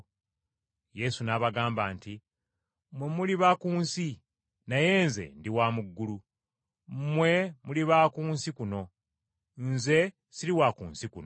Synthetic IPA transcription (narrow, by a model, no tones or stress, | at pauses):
je̞sunaβaɡaːmbaːnti | mwemuliβakuːnsi | naje̞ːnze̞̰ndiwaːmuɡːulu | mwe̞muliβakuːnsikuno̞ | nze̞ | siɾiwakṵːnsikuno